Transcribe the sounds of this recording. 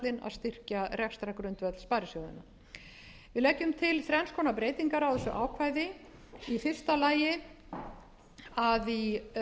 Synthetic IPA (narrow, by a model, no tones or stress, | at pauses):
t̪lɪna̰ðst̪ɪr̥carɛkst̪ɾakɾʏnt̪vɛt̪l̥spaːɾɪsjowðɪ̰na | vɪðlɛcːʏmt̪ʰɪlθɾɛnskʰɔnapɾeːjt̪iŋkaɾawθɛsːʏʔaːwkʰvaːjðɪ | ifɪr̥st̪alaːjɪ | aði